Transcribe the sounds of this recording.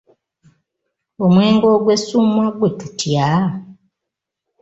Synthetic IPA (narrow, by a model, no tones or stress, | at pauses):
omweːŋɡo̞ɡwesumwaɡwetutja